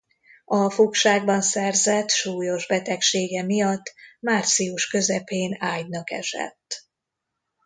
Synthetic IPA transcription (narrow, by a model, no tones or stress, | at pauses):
ɒfukʃaːɡ̚bɒnsɛrzɛt̪ʃuːjo̞ʒbɛt̪ɛkʃeːɡɛmijɒt̪ːmaːrt̪sijuʃkø̞zɛpeːnaːɟnɒkɛ̰ʃɛ̰t̪ː